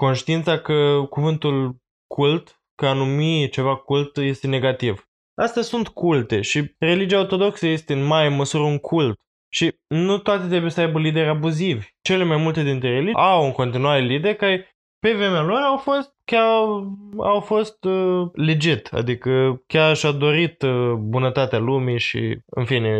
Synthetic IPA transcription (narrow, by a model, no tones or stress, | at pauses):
ko̞nʃt̪iint̪sakəkuvɨnt̪ul | kʰult̪ | kəanumit͡ʃe̞vakult̪je̞st̪e̞ne̞ɡat̪iv | ast̪asunt̪kult̪e̞ʃire̞lid͡ʒijaot̪o̞d̪o̞ksəje̞st̪e̞ɨnmajeməsuɾəuŋkʰult̪ | ʃi | nut̪oat̪et̪ɾe̞bujesəajbəlid̪e̞ɾʲabuzivʲt͡ʃe̞le̞majmult̪e̞d̪int̪ɾeɾe̞liawɨŋko̞nt̪inuaɾe̞lid̪e̞rkaɾe | pe̞vɾemealo̞ɾawfo̞st̪̚kʲa | a̰wfo̞st̪əled͡ʒit̪a̰d̪ikəkʲarʃad̪o̞ɾit̪bunət̪at̪ealumiʃḭɨ̰nfine̞